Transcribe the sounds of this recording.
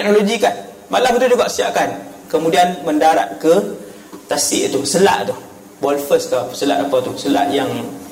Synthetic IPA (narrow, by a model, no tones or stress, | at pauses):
ɛk̚noloɡikan | malamt̪ud͡ʒuɡaʔsia̰ʔkan | kəmudianməndaɾa̰ʔ̪̚kə | t̪asɪ̰ʔt̪usəla̰ʔt̪uh | bɔlfəskasəla̰ʔapawt̪usəla̰ʔjaŋ